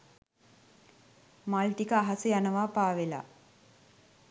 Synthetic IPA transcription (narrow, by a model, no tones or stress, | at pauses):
malʈikəaɦasəjanəʋaːpaːʋela̰